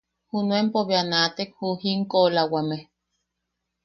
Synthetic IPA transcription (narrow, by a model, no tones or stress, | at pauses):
hunuempoβeanat̪ekhuhiŋkolawame